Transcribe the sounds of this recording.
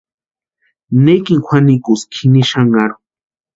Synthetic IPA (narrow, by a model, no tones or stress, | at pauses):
nekiŋxʷwanikuskʰiniʃaŋɡaɾu̥